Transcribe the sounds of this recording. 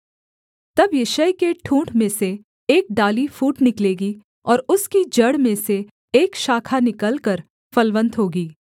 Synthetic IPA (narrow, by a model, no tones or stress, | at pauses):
t̪ɐbjɪʃəjkeʈʰũːʈmẽseː | k̚ɖaːlifuːʈnɪkleːɡi | ɔːɾʊskid͡ʒɐɽmẽseː | kʃaːkʰanɪkəlkəɾ | fɐlʋə̃nt̪ɦoːɡiː